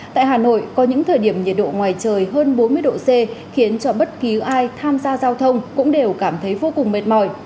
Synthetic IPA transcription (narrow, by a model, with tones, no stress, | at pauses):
t̪a̰ː˧˨jɦaː˨˩no̰˧˨jkɔ˨˦ɲɨ̰˧˥ŋt̪ʰəː˨˩jɗi˧˩əmɲi˨˩t̚ɗo̰˧˨ŋwaː˨˩jt͡ɕəː˨˩jɦəː˧nɓo˨˦nmɨ˧əjɗo̰˧˨se˧xi˨˦ənt͡ɕɔ˧ɓə˦˥t̚ki˨˦ʔaː˧jt̪ʰaː˧mzaː˧zaː˧wt̪ʰə˧wŋ͡mkʊ̰˧˥ŋ͡mɗe˨˩wkaː˧˩mt̪ʰə˨˦jvo˧kʊ˨˩ŋ͡mme˨˩t̚mɔ˧˩j